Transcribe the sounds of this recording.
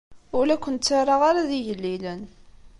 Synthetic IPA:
ʊlækʷːənt̪t͡sːaɾˤɑʁaɾaðiʝəlːilən

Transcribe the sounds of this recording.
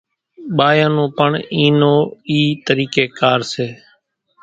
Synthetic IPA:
ɓaːjãːnõːpəɳiːnoːiːt̪əɾiːkeːkaːɾseː

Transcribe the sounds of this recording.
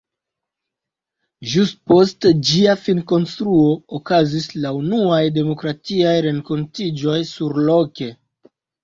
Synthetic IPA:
ʒustpo̞std͡ʒiafinko̞nstɾuo̞okazislaunuajde̞mo̞kɾatiajɾe̞ŋko̞ntid͡ʒo̞jsuɾlo̞ke̞

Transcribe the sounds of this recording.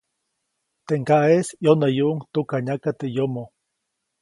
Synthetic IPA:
t̪eŋkaesjonajuŋt̪ukaɲakat̪ejomo

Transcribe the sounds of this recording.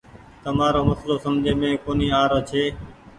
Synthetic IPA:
t̪əmaːɾoːməsloːsəmd͡ʒʱeːmẽːkoːniːaːɾoːt͡ʃʰeː

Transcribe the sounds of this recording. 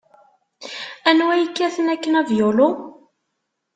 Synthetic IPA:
ænwæjəkːæθənækːənævjʊlʊ

